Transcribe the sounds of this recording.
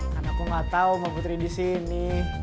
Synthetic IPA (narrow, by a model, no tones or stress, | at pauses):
karnakuŋat̪aumaput̪ɾidisini